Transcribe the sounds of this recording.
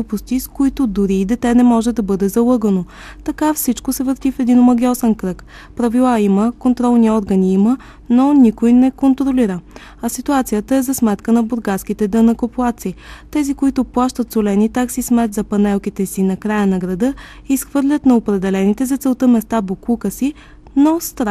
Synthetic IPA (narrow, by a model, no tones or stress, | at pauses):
pʊst̪iskoit̪od̪ʊɾiːd̪ɛt̪ɛnɛmɔʒɛd̪ɐbɤd̪ɛzɐlˠɤɡəno | t̪ɐkafsit͡ʃkosɛvəɾt̪ifɛd̪inomɐɡʲɔsɛnkɾɤk | pɾɐvilˠaiməkont̪ɾɔlˠniɔɾɡəniimə | nonikojnɛkont̪ɾoliɾə | ɐsit̪uat̪sijət̪əɛzɐsmɛt̪kənɐbʊɾɡaskit̪ɛd̪ənəkoplˠat̪sit̪ɛzikoit̪ʊplˠaʃt̪ət̪solɛnit̪aksismɛt̪zɐpɐnɛlˠkit̪ɛsinɐkɾajənɐɡɾɐd̪ɤisxvɤɾlʲət̪nɐopɾɛd̪ɛlɛnit̪ɛzɐt̪sɛlˠt̪əmɛst̪aboklˠukəsi | nɔst̪ɾa